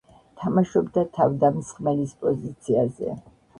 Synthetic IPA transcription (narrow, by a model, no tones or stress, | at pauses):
t̪ʰamaʃɔbd̪at̪ʰavd̪amsχmɛlispʼɔzit̪sʰiazɛ̰